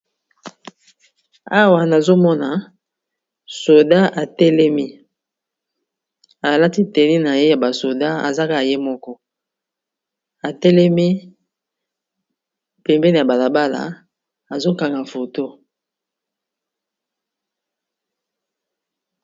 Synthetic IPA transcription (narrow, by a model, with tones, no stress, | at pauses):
a˦wa˨na˨zo˦mɔ˦na˨ | so˨da˦ʔa˨tɛ˦lɛ˦mi˦ | a˨la˦ti˦tɛ˨ni˦na˨je˦ja˨ba˨so˨da˦a̰˨za˦ka˦˨je˦mɔ˦kɔ˦ | a˨tɛ˦lɛ˦mi˦ | pɛ˨mbɛ˦ni˨a˨ba˨la˨ba˦la̰˨ | a˨zo˦ka˨ŋɡa˨fo˨to˦